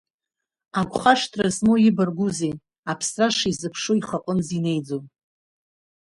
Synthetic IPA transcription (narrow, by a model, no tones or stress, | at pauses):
akʷʰχaʂtʰrazmojɪbarɡʷuze | apʰsraʂizɨpʰʂoiχaqʼɨnzine̞jd͡zon